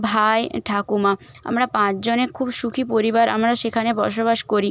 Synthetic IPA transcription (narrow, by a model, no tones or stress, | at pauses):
bʱajʈʰakumaa̰mɾapãt͡ɕd͡ʑonekʰubʃukʰipoɾibaɾʔa̰mɾaʃekʰanebɔɾʃobaʃkoɾi